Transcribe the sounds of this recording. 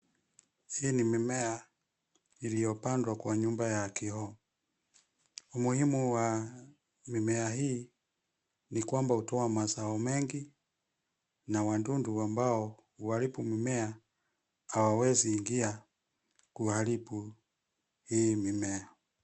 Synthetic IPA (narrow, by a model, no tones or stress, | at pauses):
hinimimɛa | ilijɔpandwakwaɲumbajakihɔ | umuhimuwa | mimɛaɦiː | nikwambautɔamazaɔmɛŋɡi | nawandunduwambaɔ | uhalipumimɛa | awawɛziːŋɡia | kuhalipu | himimɛa